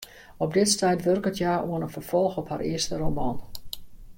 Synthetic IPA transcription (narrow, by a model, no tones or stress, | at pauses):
ɔp̚dɪtstɛjtʋørkətjaːʔuənənfərfɔlˠxɔpha̰rɪəstəromɑːn